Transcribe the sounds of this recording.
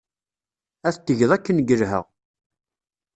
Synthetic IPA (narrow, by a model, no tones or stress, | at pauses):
æθt̪ːəʝðˤækːənɡəɾɦə̰ʁ